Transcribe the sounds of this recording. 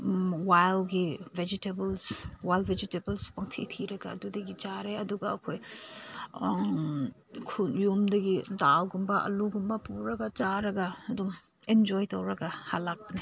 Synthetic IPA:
wajlɡived͡ʒitebɐlswajlbʱed͡ʒitebɐlspɐŋtʰitʰiɾɐɡɐːdudɐɡid͡ʒaɾeɐduɡɐɐkʰoj | kʰunjumdɐɡidawɡumbɐʔɐ̰luɡumbɐpuɾɐɡɐd͡ʒaɾɐɡɐɐdum | end͡ʒojtɐwɾɐɡɐhalak̚bɐni

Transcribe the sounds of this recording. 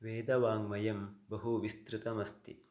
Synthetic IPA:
ʋeːd̪ɐʋaːŋmɐjɐmbɐɦuʋist̪ɾɪt̪ɐmɐst̪ḭ

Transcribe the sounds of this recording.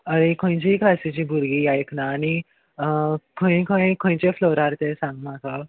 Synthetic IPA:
əɾekʰõj̃t͡ɕiklasit͡ɕiːbʱuɾɡijajknaːni | kʰõĩkʰõjkʰõj̃t͡ɕefloɾaɾt̪ẽsãŋɡm̤aka

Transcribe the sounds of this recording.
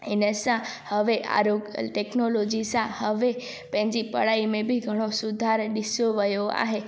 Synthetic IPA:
ḛnesãhəʋeʔa̰ɾoɡʈeknolod͡ʒisãhəʋe | pɛ̃ɲd͡ʒipə̰ɭaimẽbʱiɡʱəɽ̃osud̪ʱaɾɗisoʋəjoa̰ɦe

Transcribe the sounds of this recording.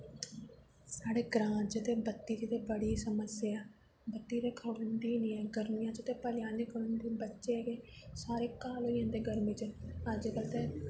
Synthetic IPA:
saːɽeːɡɾãːd͡ʒɪt̪eːbət̪ːiːɾiːt̪eːbəɽiːsəməsɪaː | bət̪ːiːɾeːkʰəɽʊnd̪iːniːɛːɡəɾmijãːd͡ʒɪt̪eːpəlɪjaːneːkəɽənd̪iːbətːʃeːɡeːsaːɾeːkaːlɦoːijãːd̪eːɡəɾmid͡ʒeəd͡ʒkəlt̪ɛː

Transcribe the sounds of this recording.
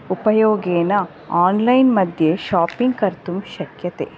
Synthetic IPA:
upɐjoːɡeːnɐ | aːnlɐjnmɐd̪ʱjeʃaːpiŋɡ̚kɐɾt̪umʃɐkjɐt̪ḛː

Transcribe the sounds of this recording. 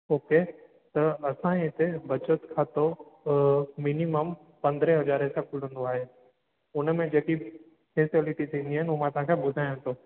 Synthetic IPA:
oːke | t̪ɐɐsãɪt̪ebɐt͡ʃət̪kʰaːt̪o | mɪniməm | pɐ̃nd̪ɾeɦɐzaːɾesẽkʰʊl̤ə̃n̆d̪oaːɦe | ʊnmẽd͡ʒeːki | kʰeːsəliʈit̪ʰĩːnd̪iɦɛnʊmãt̪ɦãkʰebʊd̪ʱaːjõt̪oː

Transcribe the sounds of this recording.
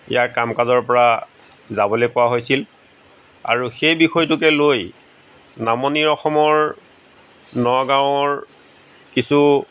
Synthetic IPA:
ḭjaɹkamkazɔɹpɔɹa | zabɔlojkʊwaɦojsil | a̰ɹuxejbixɔjtʊkɛloj | namɔniɹɔxɔmɔɹ | nɔɡaw̃ɔɹ | kisu

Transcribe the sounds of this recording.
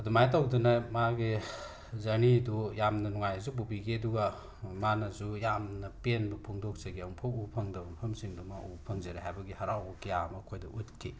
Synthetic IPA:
ɐdumajt̬awdɐnɐmaɡi | zɐnidujamnɐnɔŋajzububiɡeɐduɡa | manɐzujamnɐpenbɐpʰuŋdɔk̚sɐɡiampʰɐupʰɐŋdɐbɐmpʰɐmsiŋdumaʔupʰɐŋzɐɾeɦajbɐɡihaɾawkijamɐkʰojdɐʔutkʰi

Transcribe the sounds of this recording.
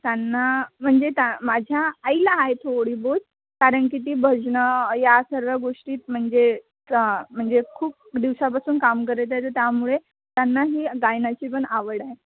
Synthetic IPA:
t̪janːam̤əɳd͡zet̪amad͡ʑʱjaːjlaɦajet̪ʰoɽiːbod͡z | kaɾəɳk̬it̪̬iːbʱəd͡znəjasəɾʋəɡoʂʈiːt̪̚m̤əɳd͡ze | m̤əɳd͡zekʰuːp̚d̪iʋsapasuːnkamkəɾet̪at̪əɾt̪jamuɭe | t̪janːaɦiːɡajnat͡ɕiːpəɳaʋəɽaɦe

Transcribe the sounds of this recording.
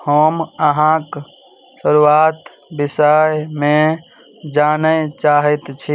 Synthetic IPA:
həməɦãk | səɾuaːt̪ | bɪsajmẽ | d͡ʒaːnət͡ʃaːɦet̪t͡ʃʰi

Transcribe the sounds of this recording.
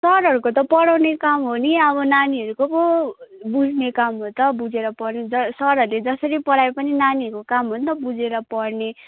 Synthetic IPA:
sʌɾɦʌɾukot̪̬ʌpʌɽawnekamɦoniʌbʌnaniɦʌɾukokobud͡zʱnekamɦot̪ʌbud͡zeɾʌpʌrned͡zʌsʌɾɦʌɾuled͡zʌsʌɾipʌɽaepʌninaniʌɾukokamɦʌnt̪ʌbud͡zeɾʌpʌɽne

